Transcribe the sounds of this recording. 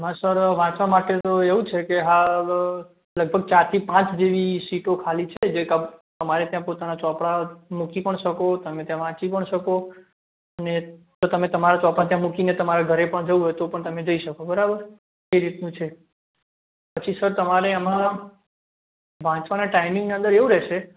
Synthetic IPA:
mãsəɾʋãt͡ʃʋamaʈet̪oeʋũt͡ʃʰekeɦa | ləɡ̚bʱəɡ̚t͡ʃaɾt̪ʰipãt͡ʃd͡ʒeʋisiʈokʰalit͡ʃʰed͡ʒekəbt̪əmaɾet̪jãpot̪anat͡ʃɔ̃pɽamukipəɳʃəkot̪əmet̪jãʋãt͡ʃipəɳʃəko | əne | t̪ot̪əmet̪əmaɾat͡ʃɔ̃pɽat̪jãmukinet̪əmaɾaɡʱəɾepəɳd͡ʒəʋuɦoet̪opəɳt̪əmẽd͡ʒəiʃəkobəɾabəɾ | kəjɾit̪nũt͡ʃʰe | pət͡ʃʰisəɾt̪əmaɾeəmã | ʋãt͡ʃʋaneʈaimĩŋɡneə̃nd̪əɾeũɾɛʃe

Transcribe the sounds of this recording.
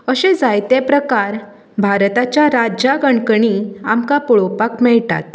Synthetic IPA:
əɕẽd͡zajt̪epɾəkaɾ | bʱaɾt̪at͡ɕjaɾad͡ʑaɡəɳkəɳiamkapɔɭopakmɛɭt̪a̰t̪

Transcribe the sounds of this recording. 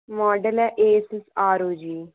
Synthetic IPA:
mɔːɖəlɛːʔeːsɪsaːɾuːd͡ʒiː

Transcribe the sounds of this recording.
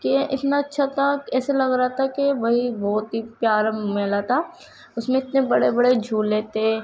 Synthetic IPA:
kĩʔɪt̪naɐtːʃʰat̪ʰakɛːselɐɡɾaat̪ʰakeʋɐɦibɔːt̪ɦipjaːɾmeːlat̪ʰa | ʊsmẽɪt̪nebɐɽebɐɽed͡ʒʱuːlːeːt̪e

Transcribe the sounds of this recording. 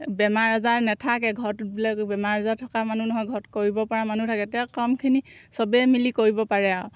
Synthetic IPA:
bɛmaɹazaɹnɛtʰakɛɡʱɔtbilakbɛmaɹazatʰɔkamanunɔɦɔjɡʱɔtkoɹibɔpaɹamanutʰakɛtɛɔkɔmkʰinisɔbɛmilikoɹibɔpaɹɛaɔ

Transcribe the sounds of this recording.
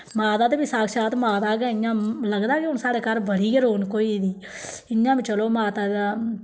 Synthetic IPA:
maːt̪aːd̪eːbiːsaːkʃaːt̪maːt̪aːkeːɪjãːləɡd̪aːkɪʊnsaːɽeːkəɾbəɽiːkəɾoːnkoːiːd̪iː | ɪɲːãːbiːt͡ʃəloːmaːt̪aːd̪aː

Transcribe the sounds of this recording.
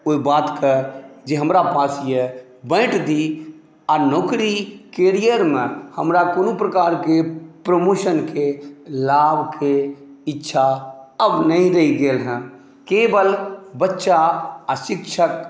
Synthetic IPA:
oibaːt̪kəd͡ʒeɦəmɾapaːsje | bɛ̃ːʈʰd̪i | aːɾnoːkɾikeːɾijəɾmẽhəmɾakoːnupɾəkaːɾkepɾəmoːʃənkelaːbʱke | ɪtːʃʰaəbnəɦĩɾəɦiɡeːlɦɛ̃ | keːbəlbətːʃaəʃɪkʃʰək

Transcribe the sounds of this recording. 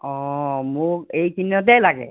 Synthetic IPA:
ɔmʊkejkʰinjɔt̬ɛlaɡɛ̰

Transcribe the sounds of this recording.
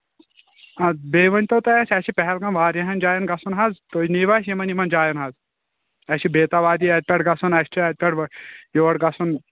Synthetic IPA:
ɐbeːʋɐnʲt̪ot̪ɐjɐsʰʲɐt͡ʃʰipɛɦɛlɡɐmʋaːɾjɐɦɐnd͡ʒaːjɐnɡɐsunɦɐzt̪oːniːʋaːs̬jimɐnimɐnd͡ʒaːjɐnɦɐz | ɐʃʰibeːt̪aʋaːd̪iːɐt̪̚ʲpʲɛʈɡɐsunɐst͡ʃʰiɐt̪̚ʲpʲɛɽjoːɽɡɐsʰun

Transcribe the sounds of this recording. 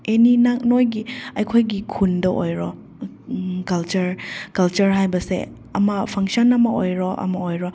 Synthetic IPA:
eninaknojɡiɐjkʰojɡikʰundɐʔojɾɔ | kɐlt͡ʃɐɾkɐlt͡ʃɐɾɦajbɐsḛ | ɐmɐpʰɐŋsɔnɐmɐojɾɔʔɐ̰mɐojɾɔ

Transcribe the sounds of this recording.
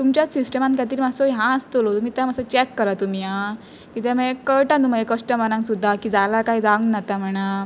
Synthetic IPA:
t̪umt͡ɕjasisʈəmãnkat̪̬iːɾimasojɦãəst̪olot̪umiːt̪ãməsat͡ɕɛkːəɾat̪um̤ia | kit̪̬ɛ̃mɛ̃kːəɾʈanumajekəsʈəmənãŋksud̪ʱːakiːd͡zalakaɦid͡zaŋɡnat̪am̤əɽ̃a

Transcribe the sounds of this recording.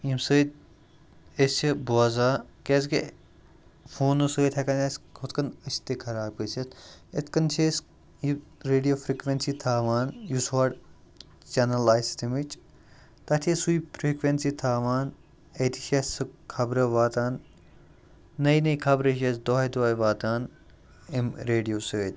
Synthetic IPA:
imsəːt̪̚ | est͡ʃʰibuɐzaːkeske | fʰoːnosəːjt̪ʰɐkɐneskʰot̪kɐnət͡ʃʰt̪ekʰɐɾaːb̚kət͡ʃʰɐt̪et̪ʰkɐnt͡ʃʰes | jiɾeːɖijoːfɾiːkʋensit̪ʰaːʋaːnjuswaːɖ | t͡ʃɐnɐlaːjst̪imit͡ʃ | t̪ɐt̪ʰiesuipʰɾiːkʋensit̪ʰaːʋaːn | et̪ʰi̥ʃesɨkʰɐbɾɐʋaːt̪aːn | ɐinɐikʰɐbɾɐʃesd̪oːɐd̪oːʋaːt̪aːn | imɾeːɖijoːsəːt̪ʲ

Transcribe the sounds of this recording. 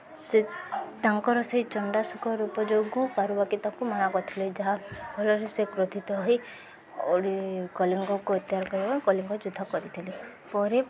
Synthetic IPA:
set̪aŋkɔɾɔsejt͡ʃɔɳɖasukɔɾupɔd͡ʒoɡɔ̃kaɾubakit̪akumanakɔt̪ʰiled͡ʒaɦabʱɔlɔɾesekɾot̪ʰit̪ɔɦi | o̰ɽikɔliŋɡɔkuet̪jɦaɾkɔɾibaikɔliŋɡɔd͡ʒud̪ʱːɔkɔɾit̪ʰile | pɔɾe

